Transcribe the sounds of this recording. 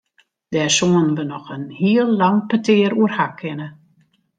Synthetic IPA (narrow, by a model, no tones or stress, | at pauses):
d̥ɛːsoːənʋənɔxənhiəlˠːaŋpətɪːəɾuərhakʰɪnə